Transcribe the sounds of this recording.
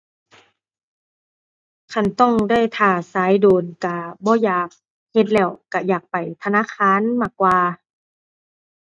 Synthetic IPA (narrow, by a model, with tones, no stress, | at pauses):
kʰa˧˩˨nt̪ɔ˥˨ŋda˥˩˨jt̪ʰaː˧˩saː˨˦jdoː˨˩nka˧˩bɔː˧˦jaː˨˩k̚ | he˧t̪̬̚lɛː˧˩˨wka˧˩jaː˨˩k̚pa˨˩jt̪ʰa˧naː˧˥˨kʰaː˧˥˨nmaː˧˩kwaː˧